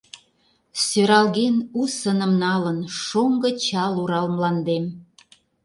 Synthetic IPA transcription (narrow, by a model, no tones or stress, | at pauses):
søɾɑlɣenusənə̆mnɑlənʃoŋɡə̆t͡ɕɑluɾɑlmlɑnd̪em